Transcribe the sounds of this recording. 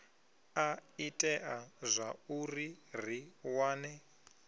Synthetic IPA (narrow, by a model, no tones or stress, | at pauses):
aitʼɛʔazʷaurir̤iwaːnɛ